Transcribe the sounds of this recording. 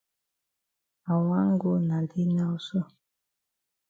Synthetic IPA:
a˨wa˦ŋ˦ɡo˦na˨di˦na˦u˨so˦

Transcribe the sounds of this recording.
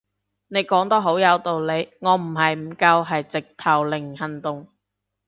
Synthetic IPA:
ne˨˧˥jkɔː˨˥ŋt̪ɔː˥ɦo˨˥wjɐ˨˧wt̪o˨wle˨˧jŋɔː˨˧m̩˨˩ɦɐ˨jm̩˨˩kɐ˧wɦɐ˨jt͡sɪ˨k̚t̪ʰɐ˨˩wlɪ˨˩ŋhɐ˨nt̪ʊ˨ŋ

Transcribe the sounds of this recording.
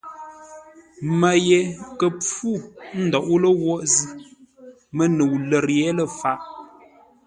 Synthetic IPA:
mə˨je˨kə˨p͡fu˦˨n̩˦dɔ˨ʔu˦lə˦wɔ˦ʔzi˦ | mə˦nə˨wlə˨ɾjɛ˦lə˨fa˨ʔ

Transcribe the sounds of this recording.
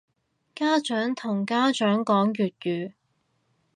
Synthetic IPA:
kaː˥t͡ʃœː˨˥ŋt̪ʰʊ˨˩ŋkaː˥t͡ʃœː˨˥ŋkɔː˨˥ŋjyː˨t̚jyː˨

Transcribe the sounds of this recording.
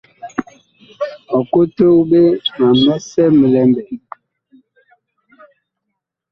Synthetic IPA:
ɔ˨ko˦to˦be˦ma˨mɛ˦sɛ˦mə˨lɛ˨mbɛ˨

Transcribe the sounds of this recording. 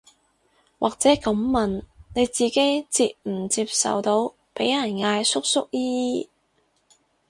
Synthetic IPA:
wʔaː˨k̚t͡sɛː˨˥kɐ˨˥mːmɐ˨˩nne˨˧jt͡siː˨ke˨˥jt͡siː˧p̚m̩˨˩t͡siː˧p̚sɐ̰˨wt̪o˨˧w | pe˨˥jɐ˨˩nŋaː˧jsʊ˥k̚sʊ˥k̚jiː˥jiː˥

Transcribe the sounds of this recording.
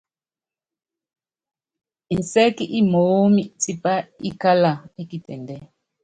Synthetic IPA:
i˨n˨sɛ˦ki˦ʔi˦mo˨˦mi˦ti˦˨pa˦i˦ka˦la˨e˦ki˨tɛ̰˨ndɛ˦

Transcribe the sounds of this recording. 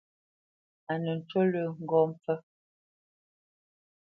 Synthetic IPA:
a˨nə˨n̩˨tə˦lə˨ŋ̩˦˨ɡɔ˦m̩˨p͡fə˦

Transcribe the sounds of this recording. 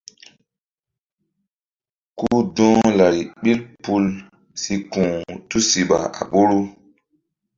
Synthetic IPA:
kuː˦dɔ̃ː˦la˨ɾi˨ɓi˦lpu˦l | si˧kũ˨tu˦si˨ɓa̰˨a̰˨ɓo˦ɾu˦

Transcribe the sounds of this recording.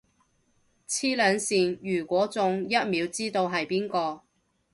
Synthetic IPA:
t͡sʰiː˥lœː˨˧ŋsiː˨njyː˨˩kʷɔː˨˥t͡sʊ˨ŋjɐ˥t̚miː˨˧wt͡siː˥t̪o˧wɦɐ˨jpiː˥nkɔː˧

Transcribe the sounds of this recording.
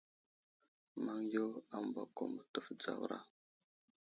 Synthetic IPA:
ma˦ŋjo˦a˦m˨ba˨ko˨mbə˨tə˦fd͡za̰˨wɾa̰˦

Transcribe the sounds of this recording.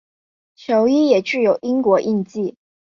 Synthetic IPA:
t͡ɕʰjo˧˥ʊi˥jɛ˨˩ʈ͡ʂɻ̩˥˩jo˨˩ʊʔi˥ŋkwɔ˧˥ʔi˥˧nt͡ɕi˥˩

